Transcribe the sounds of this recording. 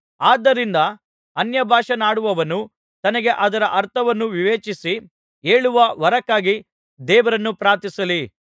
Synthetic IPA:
aːd̪ːɐɾind̪ɐ | ɐnjɐbʱaːʂɐnaːɽuʋɐʋɐnu | t̪ɐnɐɡe̞ʔɐd̪ɐɾɐʔɐɾt̪ʰɐʋɐnːuʋiʋeːt͡ʃisi | eːɭuʋɐʋɐɾɐkːaːɡi | d̪ɛːʋɐɾɐnːupɾaːt̪isɐli

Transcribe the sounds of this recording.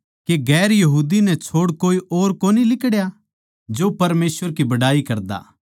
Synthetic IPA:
keɡɛːɾjɐɦuːd̪inɛ̃t͡ʃʰoːɽkoːiʔoːɾkoːnilɪkəɽja | d͡ʒoːpɐɾmeːsʋəɾkibɐɽaːikɐɾd̪a̰ː

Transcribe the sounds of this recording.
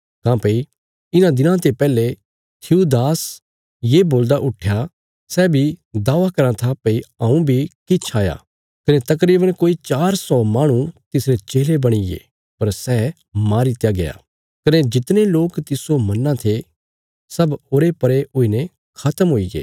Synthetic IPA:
kãːpei | ɪnãd̪ɪnãt̪epɛːle | t̪ʰiud̪aːs | jeboːld̪aʔʊʈʰja | sɛbʱid̪aːʋakɐɾãt̪ʰapɐiɐ̃ũbʱikɪt͡ʃʰaːja̰ | kɐnet̪ɐk̬ɾiːbəɽkoːit͡ʃaːɾsɔmaːɽ̃ũt̪ɪsɾet͡ʃeːlebɐɽ̃ɪɡḛ | pɐɾsɛː | maːɾit̪jaɡɐja̰ː | kɐned͡ʒɪt̪neloːkt̪ɪsomɐnːãt̪ʰe | sɐboːɾepɐɾeʔoːinɛ̃ | kʰɐt̪əmɦoːiɡḛː

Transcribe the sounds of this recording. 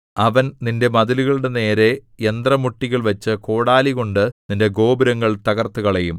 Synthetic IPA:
ɐʋɐnninde̞mɐðiluɣɐɭuɽe̞ne̞ːɾe̞ | end̪rɐmuʈːiɣɐɭʋɐt͡ɕːɨko̞ːɽaːliɣo̞ɳɖɨninde̞ɡo̞ːbɐɾɐŋːɐɭt̪ɐɣɐrt̪ːuɣɐɭejum

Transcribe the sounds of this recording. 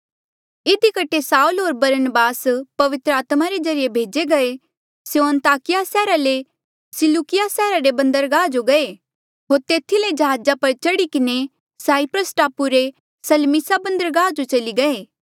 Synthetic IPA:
ɪd̪ikɐʈʰesaːulɦoːɾbɐɾənbaːspɐʋɪt̪ɾəaːt̪maɾed͡ʒɐɾijebʱeːd͡ʒeɡɐe | sejoɐ̃nt̪aːkɪjasɛːɾale | sɪlukɪjasɛːɾaɾebɐ̃nd̪əɾɡaːd͡ʒoɡɐe | ɦoːɾt̪eːt̪ʰiled͡ʒɐɦaːd͡ʒapɐɾt͡ʃɐɽikɪne | saːipɾəsʈaːpuɾe | sɐlmɪsabɐ̃nd̪əɾɡaːd͡ʒot͡ʃɐliɡɐeː

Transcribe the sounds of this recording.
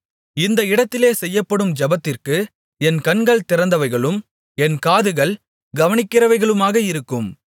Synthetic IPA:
ɪnd̪ɐɪɽɐt̪ːɪleːsɛjːɐpːɐɽɯmd͡ʒɐbɐt̪ːɪrkɯ | ɛnkɐnɡɐɭt̪ɪɾɐnd̪ɐʋɐɪɣɐɭɯm | ɛnkaːðɯɣɐɭ | ɡɐʋɐnɪkːɪɾɐʋɐɪɣɐɭɯmaːɣɐɪɾɯkːɯm

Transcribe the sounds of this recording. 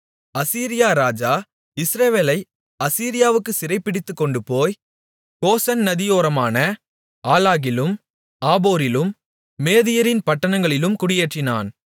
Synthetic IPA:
ɐsiːɾɪjaːɾaːd͡ʒaː | ɪsɾɐʋeːlɐɪ | ɐsiːɾɪjaːʋɯkːɯsɪɾɐɪpːɪɽɪt̪ːɯkːɔɳɖɯpoːj | koːsɐnnɐðɪjoːɾɐmaːnɐ | aːlaːɣɪlɯm | aːboːɾɪlɯmː | eːðɪjɐɾɪnpɐʈːɐnɐŋɡɐɭɪlɯmkʊɽɪjeːʈrɪna̰ːn

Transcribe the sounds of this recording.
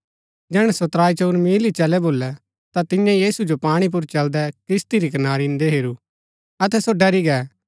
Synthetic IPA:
d͡ʒɛːɽ̃ɛsot̪ɾaːit͡ʃoːɾmiːlit͡ʃɛlɛboːlːɛ | t̪at̪ɪ̃jãjiːsud͡ʒopaːɽ̃ip̬ʊɾt͡ʃɐld̪ɛkɾɪst̪iɾikɐnaːɾind̪eɦeːɾu | ɐt̪ɛsoɖɐɾiɡɛː

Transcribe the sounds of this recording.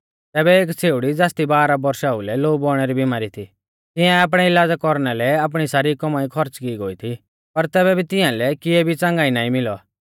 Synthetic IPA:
t̪ɛːbɛeːkt͡sʰeːuɽid͡zaːst̪ibaːɾabɔɾʃaːulɛloːubɔɽ̃ɛɾibɪmaːɾit̪ʰi | t̪ɪãaːp̬ɽ̃ɛɪlaːd͡zakɔɾñɛlɛaːp̬ɽ̃isaːɾikɔmaːikʰɔɾt͡skiːɡoːit̪ʰi | pɐɾt̪ɛːbɛbʱit̪ɪjãlɛkɪɛbʱit͡sãŋɡaːinaːĩmɪlɔ

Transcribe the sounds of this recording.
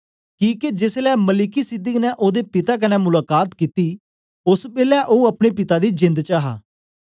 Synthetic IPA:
kiːked͡ʒeslɛːməlɪkiːsɪd̪əknɛːʔoːd̪eːpɪt̪aːk̬ənɛːmʊlaːkaːt̪kiːt̪iː | ʊsbeːlɛːʔoːəpɽeːpɪt̪aːd̪iːd͡ʒɪ̃nd̪t͡ʃaːɦa̰ː

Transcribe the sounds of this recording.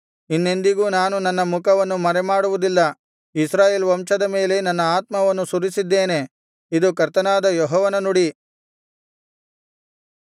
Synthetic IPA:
inːe̞nd̪iɡuːnaːnunɐnːɐmukɐʋɐnːumɐɾɛmaːɽuʋud̪ilːɐ | isɾaːjeːlʋɐmʃɐd̪ɐme̞ːle̞nɐnːɐaːt̪̚mɐʋɐnːusuɾisid̪ːeːne̞ | id̪ukɐɾt̪ɐnaːd̪ɐjɔɦɔːʋɐnɐnuɽi

